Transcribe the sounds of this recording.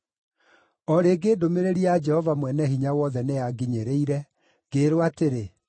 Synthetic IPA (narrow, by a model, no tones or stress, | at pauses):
ɔɾeɡeːdomeɾeɾiad͡ʒɛhɔvamwɛnɛhiɲawɔðɛneaɡiɲeɾeiɾɛ | ɡ̥eːɾowateɾe